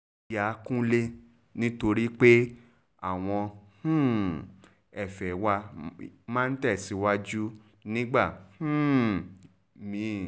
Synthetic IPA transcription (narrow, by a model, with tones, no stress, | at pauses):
ja˨˦kũ˦le˦ | nĩ˦to˧ɾi˦k͡pe˦ | a˨w̃ɔ̃˧hũ˦˨ | ɛ˨fɛ˨˦wa˧mã˦n̩˦tɛ˦˨si˨˦wa˦d͡ʒu˦ | nĩ˦ɡ͡ba˦˨h̩˦˨ | mĩ˨˦˨